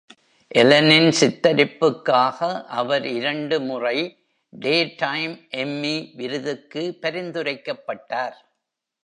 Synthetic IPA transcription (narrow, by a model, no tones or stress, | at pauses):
ʔɛlɐnɪnsɪt̪ːɐɾɪpːɯkːaːɣɐʔɐʋɐɾɪɾɐɳɖɯmʊrɐɪ | ɖeːʈɐɪmʔɛmːiʋɪɾɯðɯkːɯpɐɾɪnd̪ɯrɐɪkːɐpːɐʈːaːɾ